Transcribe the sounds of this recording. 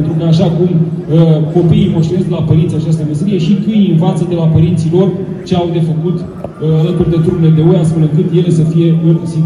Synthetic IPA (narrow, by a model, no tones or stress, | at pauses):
nt̪ɾukəaʃakuməko̞piimoʃt̪iɾesd̪elapəɾint̪sʲat͡ʃast̪əmeseɾije̞ʃik̪ɨjinvat̪səd̪e̞lapəɾint̪silo̞r | t͡ʃeawd̪e̞fəkut̪ | alət̪urd̪e̞t̪ɾuneled̪e̞ojast̪fe̞lɨŋkɨt̪je̞le̞səfije̞ɨnsi